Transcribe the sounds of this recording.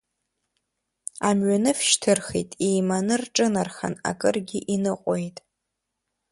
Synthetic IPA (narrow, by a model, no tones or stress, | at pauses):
amɥanɨfʃtʰɨrχḛtʼejmanɨrʈ͡ʂʼɨnarχa̰na̰kʼɨrɡʲɪʔinɨqʷʼojtʼ